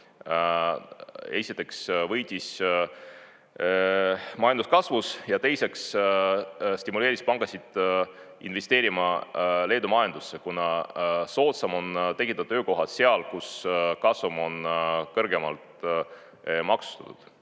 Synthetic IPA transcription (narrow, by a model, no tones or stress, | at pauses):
e̞sit̪ːˑe̞ksvɤjd̪̥ʲis | mɑjɑnd̪uskɑsvusjɑt̪e̞jse̞ks | st̪imule̞ːɾispɑŋɡ̥ɑsid̪̥ | inve̞st̪e̞ːɾimɑle̞ːd̪umɑjend̪̥usːe̞kunɑso̞ːt̪sɑmo̞nt̪e̞kit̪ɑd̪̥̚t̪øːko̞ɦɑt̪seɑlkuskɑsvumo̞nkɤrɡe̞mɑlt̪ | mɑksu̥t̪ɑ̥t̪ːud̪̥